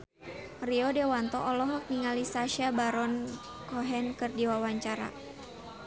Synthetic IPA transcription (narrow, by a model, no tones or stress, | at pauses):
riɔdewant̪ɔʔɔlɔɦɔk̚niŋalisaʃabaɾɔn | kɔɦɛnkɨrdiwawaɲt͡ʃaɾa̰